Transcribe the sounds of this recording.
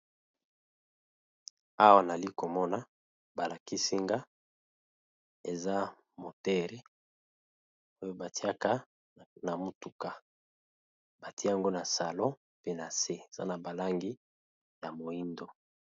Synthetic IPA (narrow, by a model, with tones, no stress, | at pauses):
a˦wa˦na˨li˦ko˨mɔ˦na˦ | ba˨la˨ki˦si˦ŋɡa˦ | e˨za˦ | mo˨tɛ˦ʁɛ˨ | o˦jo˦ba˨ti˦a˦ka˦ | na˨mo˨tu˨ka˨ | ba˨ti˦a˨ŋɡo˦na˨sa˨lɔ̃˦ | pe˦na˨se˦e˨za̰˦na˨ba˨la˦ŋɡi˦ | ja˨mo˨i˦ndo˨